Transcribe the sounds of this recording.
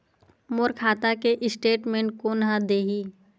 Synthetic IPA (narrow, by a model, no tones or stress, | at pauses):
moːɾkʰaːt̪akeʔɪsʈeːʈmẽːɳʈ̚konɦãd̪eːɦi